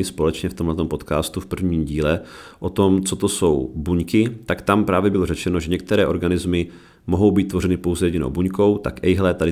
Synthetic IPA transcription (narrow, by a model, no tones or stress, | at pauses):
ɪspo̞lɛt͡ʃɲɛft̪omɦlɛt̪o̞mpo̞t̪ka̰ːst̪ufpr̩vɲiːmɟiːlɛʔot̪o̞mt͡sot̪oso̞wbuɲkɪt̪akt̪ampɾaːvjɛbɪlo̞rɛt͡ʃɛno̞ʒɛɲɛk̚t̪ɛɾɛːʔo̞ɾɡanɪzmɪ | moɦo̞wbiːt̪t̪ːvo̞ɾɛnɪpo̞wzɛjɛɟɪno̰wbuɲko̞wt̪a̰kʔɛjɦlɛt̪adɪ